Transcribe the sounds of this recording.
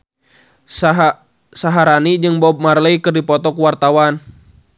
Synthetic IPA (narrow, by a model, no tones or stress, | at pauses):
saɦaɾanid͡ʒɨŋbɔb̚marləikɨrdipɔt̪ɔkuwart̪awan